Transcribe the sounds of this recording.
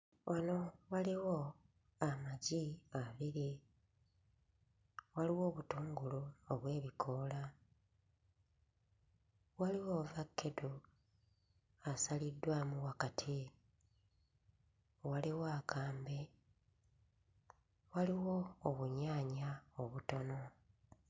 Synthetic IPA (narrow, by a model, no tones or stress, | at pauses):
wʔano̞waliwo | amaɟiaβiɾi | waliwo̞ːβutuːŋɡuluoβwe̞ːβikʰo̞ːla | waliwovakːedu | asalidːwamuwakatʰi | waliwakʰaːmbe̞ | waliwo̞ːβuɲaːɲaoβuto̞no̞